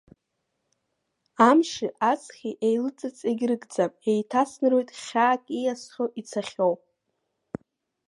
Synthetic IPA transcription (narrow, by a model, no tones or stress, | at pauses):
amʃiʔat͡sʼχʲiʔejlɨt͡sʼɨt͡sʼeɡʲɾɨɡd͡zamʼe̞jtʰasnɨrwo̞jtʼχʲaːkʼijasχʲoʔit͡sʰaχʲowʼ